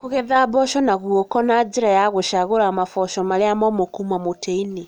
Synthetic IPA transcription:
koɣɛðabɔʃɔnaɣwokɔnad͡ʒeɾajaɣoʃaɣoɾamafɔʃɔmaɾeamɔmokumamoteine

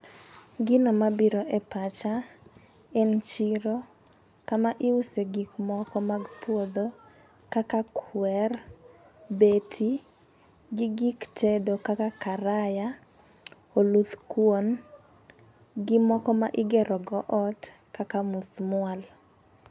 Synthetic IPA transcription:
ɡɪnɔmabiɾɔʔɛpat͡ʃa | ɛnt͡ʃiɾo | kamaʔɪwuseɡikmɔkɔmaɡpwod̪o | kakakʰwɛr | betʰi | ɡɪɡikt͡ʃɛdokakakaɾaja | olut̪kwon | ɡɪmɔkɔmaʔɪɡɛɾɔɡɔʔɔt | kakamusmwal

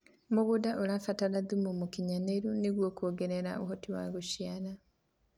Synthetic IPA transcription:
muɣudaʔolafataɾaðumumukiɲaneɾuniɣwoːkoːɡeɾeɾa̰o̰ɦotiwa̰ɣuʃjana

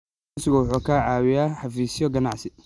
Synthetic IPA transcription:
sɪɣʊwʊħuːkʰaːʕɑːwɪjaːħɑfiːsɪjɔɡɐnɑʕsɪ

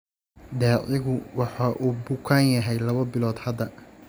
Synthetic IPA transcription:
ɖɛːʔɪɣʊwɑħɑːʔuːbʊkʰaːnjɐɦɛjlɐβɐbɪlɔːd̪hɐd̪ɐ

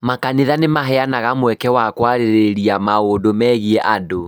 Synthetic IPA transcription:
makaneðanemaɦɛanaɣamwɛkɛwakwaɾeɾeɾiamaoːndomɛːɣiɛʔado

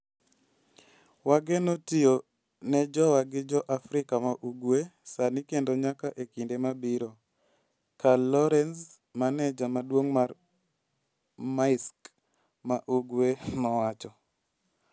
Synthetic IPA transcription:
waɡenotijo | nɛd͡ʒɔwaɡɪd͡ʒɔʔafɾɪkamaʔuɡwesanikendoɲakaʔekindemabiɾo | kalɔɾɛns | manɛd͡ʒamadwoŋmar | maɪsk | maʔuɡwemawat͡ʃɔ

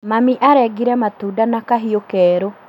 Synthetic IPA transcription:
mamiʔaɾɛɡiɾɛmatuːdanakaɦiokɛːɾo

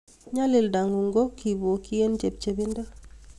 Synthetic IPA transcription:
ɲalildaŋɡuŋɡokibokijend͡ʒeb̚t͡ʃebinde

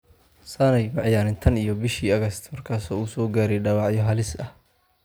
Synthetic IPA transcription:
sɐnɛjmɑʕjaːnɪnt̪ʰɐnijɔbɪʃiːɐɣɐst̪ʰmɐrkʰaːsɔːuːsɔːɡaːɾɛjɖɑːwɑʕjɔɦɐlɪsɐh

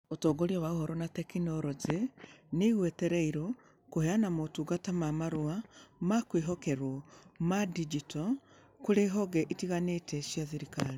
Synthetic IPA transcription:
otoːɡoɾijowaohoɾonatekinoɾozeneɣweteɾeiɾo | koheanamotuɡatamamaɾuamakwiɦokeɾwomadid͡ʒito | kuɾeɦoɡɛʔitiɣanetɛʃjaθiɾikaɾi

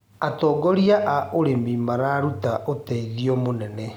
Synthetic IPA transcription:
atɔːɡɔɾiaʔaʔoɾemimaɾaɾutaʔotɛiðiɔmonɛnɛ

